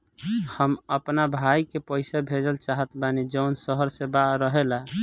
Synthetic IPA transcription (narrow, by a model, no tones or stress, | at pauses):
həməpnabʱajkepəɪsabʱed͡ʒəlt͡ʃaɦət̪banid͡ʒəwnsəɦəɾsẽbaɾəɦela